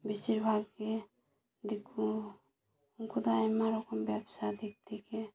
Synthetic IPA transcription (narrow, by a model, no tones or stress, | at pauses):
bisiɾbʱaɡke | d̪ikʰːu | kud̪aemaɾɔkɔmbjabsad̪ek̚t̪ike